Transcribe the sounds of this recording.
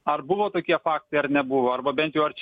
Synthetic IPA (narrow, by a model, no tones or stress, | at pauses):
ɐrbʊʋoːt̪oːkʲiɛfɑːk̚t̪ɐɪɐɾnʲɛbʊʋoːɐɾbɐbʲɛnt̪jɛʊɐɾt͡ʃʲ